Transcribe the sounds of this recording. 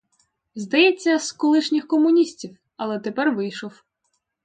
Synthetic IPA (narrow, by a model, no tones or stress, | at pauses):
zd̪ɐjɛt͡sʲːɐskɔlˠɪʃnʲɪxkɔmʊnʲisʲtʲiw | ɐlˠɛt̪epɛrʋɪjʃɔw